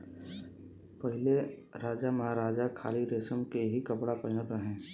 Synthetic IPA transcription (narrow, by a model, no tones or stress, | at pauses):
pəɦɪleɾaːd͡ʒamɐɦaɾaːd͡ʒakʰaːliɾeːsəmkeɦikɐpɽapɐɾɪnət̪ɾɐɦẽː